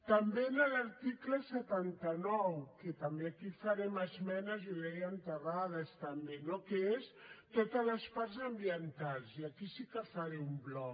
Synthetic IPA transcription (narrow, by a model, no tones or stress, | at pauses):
t̪əmbenələɾt̪ikləsət̪ant̪ənɔwkət̪əmbeakifəɾɛməzmɛnəzuðɛjənt̪əraðəst̪əmbenokeest̪ot̪ələspaɾzəmbiənt̪alˠziəkisikəfaɾɛumblɔk